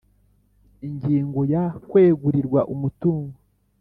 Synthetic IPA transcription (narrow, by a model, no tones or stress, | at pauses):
iɲɟiːŋɡo̞jakwe̞ːɡuɾiɾɡwaʔumutuːŋɡo